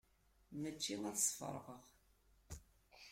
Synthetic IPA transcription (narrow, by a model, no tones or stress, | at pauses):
mət͡ʃːinæθə̥sˤfə̰ɾˤʁəʁ